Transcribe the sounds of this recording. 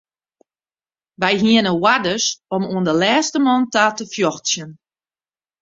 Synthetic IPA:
ʋɛjɦiənəwadəsɔmuəndəlɛːstəmɔntaːtəfjɔxsjən

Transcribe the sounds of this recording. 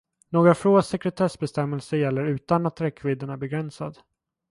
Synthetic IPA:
noːɡɾafɾoːasɛkɾɛt̪ʰɛsbɛst̪ɛmːɛlsəjɛlːəɾʉ̟ːt̪anat̪ʰːɾɛkʰːvɪd̪ːəɳæbɛɡɾɛnsa̰d̪

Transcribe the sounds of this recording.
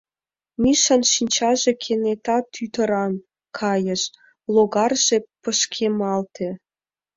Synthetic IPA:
miʃɑnʃinʲt͡ɕɑʒekʰenet̪ɑt̪ːyt̪əɾɑn | kʰɑjəʃ | loɣɑrʒ̥epəʃkʰemɑlt̪ʰe

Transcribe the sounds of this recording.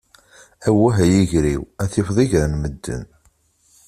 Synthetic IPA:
æwːæɦæjiʝɾiwæθɪfðˤiʝɾənməd̪ːə̰n

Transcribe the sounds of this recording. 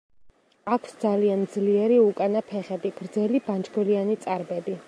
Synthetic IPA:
akʰsd̪zaliand̪zliɛɾiukʼanapʰɛχɛd̪iɡ̥ɾd̪zɛliband͡ʒɡɛlianit̪sʼaɾbɛd̪i

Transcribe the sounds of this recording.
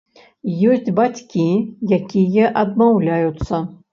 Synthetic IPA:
jɔsʲd͡zʲbat͡sʲkʲijakʲijɐʔɐd̪mawlʲajut̪sːɐ

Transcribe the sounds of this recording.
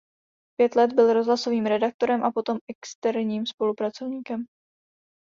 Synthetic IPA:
pjɛt̪lɛd̪bɪlɾo̞zɦlaso̞viːmɾɛdak̚t̪o̞ɾɛmʔapo̞t̪o̞mɛkst̪ɛɾɲiːmspo̞lupɾat͡so̞vɲiːkɛm

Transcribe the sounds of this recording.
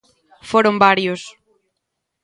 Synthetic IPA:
foɾõmbaɾjos

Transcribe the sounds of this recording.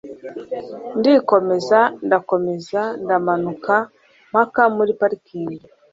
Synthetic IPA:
ndiko̞me̞zandako̞me̞zandamanuka | m̥akamuɾipaɾikiːni

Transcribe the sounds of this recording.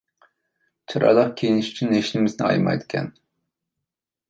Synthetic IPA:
t͡ʃʰɑɾʔɑ̰lˠəqkʲʰejinɪʃy̥t͡ʃʰynːeʃnɪmɪznɪɑ̰jmɑ̰jd̪ɪ̥kʲʰɛ̰n

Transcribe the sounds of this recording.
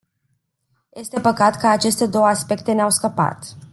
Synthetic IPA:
je̞st̪e̞pəkat̪kəat͡ʃe̞st̪e̞d̪o̞wəaspe̞k̚t̪e̞neawskəpa̰t̪

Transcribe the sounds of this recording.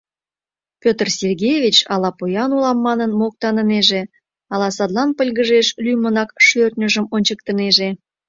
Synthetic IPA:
pʲøt̪ərsʲerɡʲejvʲit͡ɕɑlɑpojɑnulɑmːɑnənmok̚t̪ɑnəneʒe | ɑlɑsɑd̪lɑnpəlʲɣəʒeʃlʲyjmənɑkʃørt̪ʲnʲəʒəmonʲt͡ɕəkt̪əneʒe

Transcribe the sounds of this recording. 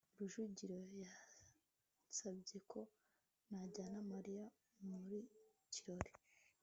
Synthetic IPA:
ɾuʒuɟiɾo̞ja | sabɟe̞kʰo̞ | naɟaːnamaɾija | muɾi | ciɾo̞ɾi̥

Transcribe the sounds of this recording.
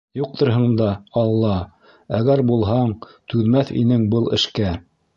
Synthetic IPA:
juq̚t̪ŏɾɦɤ̆ɴd̪ɑɑlˠːɑ | æɡæɾbulˠɦɑɴt̪ʉðmæθḭnɘŋbɤlˠɘ̆ʃkæ

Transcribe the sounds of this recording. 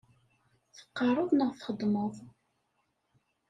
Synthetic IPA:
θə̥qːɑɾˤʊðˤnəʁθχəd̪ˤməð

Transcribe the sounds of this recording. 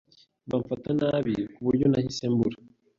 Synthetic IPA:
βaɱfatanaβikuβuɾjonahisembuɾa

